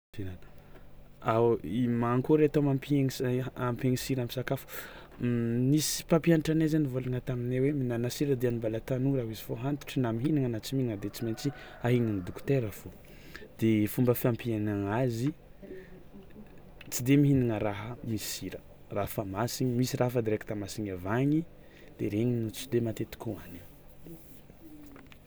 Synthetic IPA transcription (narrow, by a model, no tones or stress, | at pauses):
finan | aimaŋkuɾeat̪omampieŋampeŋisiɾamisakafu̥ | misi̥pampianiʈ͡ʂanezanivolaŋat̪amineweminanasiɾəd̪eanimbalat̪anuraɦizifoɦant̪u̥ʈ͡ʂənamiɦiniŋanat͡simiŋəd̪et͡siment͡si | aɦiɲinid̪uku̥t̪eɾəfo | d̪̥efumbəfiampianaŋazi | t͡sid̪emiɦiniŋəraɦəmisiɾə | rafamasiɲimisirafəd̪eɾeki̥t̪amasiɲavaɲi | d̪̥eɾeɲinut͡sid̪emat̪et̪i̥kuani